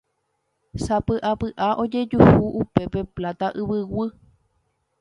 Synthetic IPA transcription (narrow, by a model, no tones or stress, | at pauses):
sapɨʔapɨʔaʔo̞d͡ʒe̞d͡ʒuhuʔupe̞pe̞plat̪aʔɨβɨwɨ